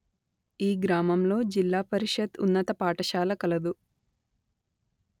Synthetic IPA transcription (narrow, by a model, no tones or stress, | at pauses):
iːɡɾaːmɐmlo̞ːd͡ʒilːaːpɐɾiʂɐd̪unːɐt̪ɐpaːʈɐʃaːlɐkɐlɐd̪u